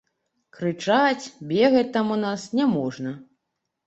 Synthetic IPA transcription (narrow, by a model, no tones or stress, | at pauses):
kɾɨt͡ʂat͡sʲbʲɛɣɐt͡sʲt̪amunasnʲɛmɔʐnɐ